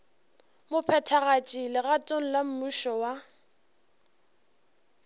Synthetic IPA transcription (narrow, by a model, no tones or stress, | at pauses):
mʊpʰɛtʰaɣat͡ʃʼilɪɣatʼon̩lam̩muʃɔwa